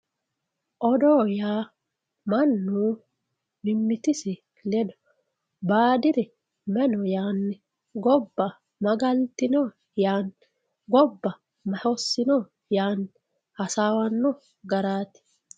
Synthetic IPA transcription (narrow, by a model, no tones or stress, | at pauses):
ʔɔd̪ɔːjaː | mɐnːu | mɪmːɪt̪ɪsɪ | lɛd̪ɔ̥ | baːd̪ɪɾɛ | mɛnɔjaːnːɛ | ɡɔbːɐ | mɐɡɐlt̪ɪnɔ | jaːn | ɡɔbːɐ | mɐhɔsːɪnɔ | jaːnːɪ | hɐsaːwɐnːɔ | ɡɐɾaːt̪ɪ̥